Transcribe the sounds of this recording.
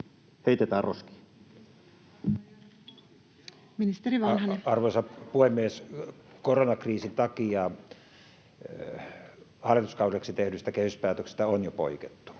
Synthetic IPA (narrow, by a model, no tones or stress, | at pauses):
heit̪et̪æːroski̥ | minist̪eriʋɑnhɑneɑrʋosɑpuhemːieskoronɑkriːsint̪ɑkijɑ | hɑlːˑit̪uskɑˑuleksit̪ehnysit̪ækehyspæːt̪øksest̪æonjopo̰iket̪ːu̥